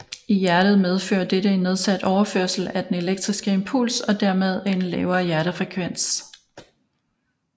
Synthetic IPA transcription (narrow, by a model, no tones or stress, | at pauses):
ijæɐɾ̥ð̞̩ˠmeð̞ˠfø̰ːɐd̥eɾəe̝nːe̝ð̞ˠsæd̥ɒʊɐfø̰ɐ̰sl̩æd̥ene̝leɡ̥̚d̥ʁisɡ̥əe̝mpʰulsɒ̽d̥æɐ̰með̞ˠenlɛ̰ːʊɐːjæɐɾəfʁɛkʰʋen̰s